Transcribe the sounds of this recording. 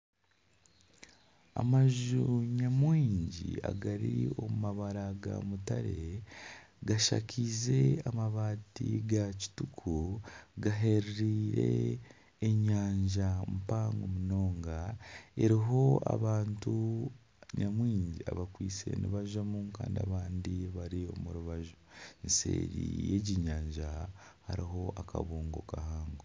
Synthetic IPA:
a̰maʒuɲamwiːɲɟḭa̰ɡaɾio̞mumaβaɾaɡa̰mutaɾe̞ | ɡaʃa̰cʰize̞amaβaːtiɡaci̥tukʰuɡaɦeɾiɾiːɾe̞̰ː | ɲaːɲʒampaːŋɡomuno̞ːŋɡae̞ɾiɦo̞a̰βaːntu | ɲʔamwiːɲɟia̰βakwiːt͡se̞̰niβaʒamuŋka̰ːndia̰βaːndiβaɾio̞̰muɾuβaʒonse̞̰ːɾḭjeɟiɲaːɲʒahaɾiɦo̞ʔaka̰βuːŋɡokahaːŋɡo

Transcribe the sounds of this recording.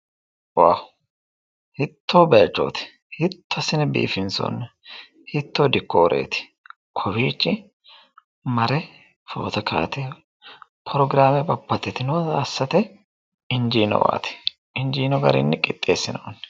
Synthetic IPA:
wawʊ | hɪt̪ːoːbɐjɐt͡ʃːo̰ːt̪ɪ̥ | hɪt̪ʰːɔɐsɪnɛbḭːfɪnsɔ̰nːɛ | hɪt̪ːoːd̪ɪkːɔɔɾʔḛːt̪ɪ̥ | kʰɔbiːt͡ʃːɪ | mɐɾɛ | fo̰ːt̪ɐkʰa̰ːt̪ɛ | pʰɔɾɔɡɪɾaːmɛbɐpːɐt̪ːɛt̪ɪnɔːsːɐt̪ɛ | ɪnd͡ʒiːnɔ̰wa̰ːt̪ɪ̥ | ɪnd͡ʒiːnɔɡɐɾɪ̰nːɪkʼɪt̪ʼːḛːsːɪnɐwɔnː

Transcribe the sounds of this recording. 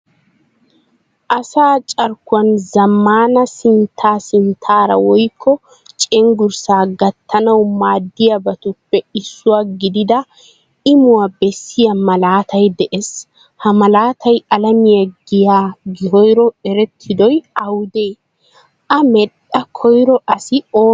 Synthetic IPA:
ʔɐsaːt͡ʃʼɐɾkʊwɐnzɐmːaːnɐsɪnt̪ʰːaːsɪnt̪ʰaːɾɐ̰wɔjkʰːɔ | t͡ʃʼɛŋɡʊɾsaːɡɐt̪ːɐnɐwmaːd̪ːɪjɐbɐt̪ʊpːɛɪsːʊwaːɡɪd̪ɪd̪ɐ | ɪmʊwabɛsːɪjɐmɐlaːt̪ʰɐjd̪ɛʔes | hɐmɐlaːt̪ʰɐjɐlɐmɪjɐɡɪjaːɡɪhɔjɾɔɛɾɛt̪ʰːɪd̪ɔjɐwd̪eː | ʔɐmɛɗɐkʰɔjɾɔʔɐsɪoː

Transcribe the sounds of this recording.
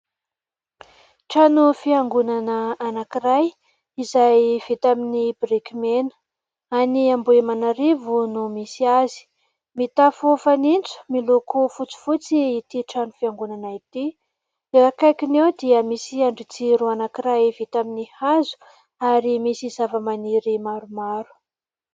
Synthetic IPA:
ʈ͡ʂanufiaŋɡunanəːnakiraj | izajv̥et̪aminibrikimenə̥ | aniambuemanaɾivunumisiazi̥ | mit̪afofanint͡su̥milokufut͡si̥fut͡siːt̪iʈ͡ʂanufiaŋɡunanait̪i | eɾakajkinewd̪iəmisiaɳɖ͡ʐit͡siɾuanakiɾajvet̪aminihazu̥ | aɾimisizavəmaniɾimaɾumaɾu̥

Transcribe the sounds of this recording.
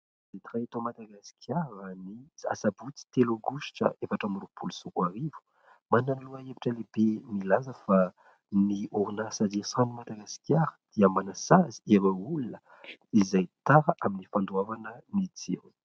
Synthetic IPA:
zet̪iraet̪omad̪aɡasi̥kʰjaɾania̰sabut͡si̥t̪eloɡuʃi̥ʈ͡ʂə̰ʔefaʈ͡ʂamiɾupʰulusukwaɾivu̥ | mananiluəeviʈ͡ʂəlebemilazəfa | nioɾunasadiasãnimad̪aɡasi̥kʲjaɾəd̪̥iəmanasaziewaulunə | izajt̪aɾəʔaminifand̪uavanənit͡sḭɾ

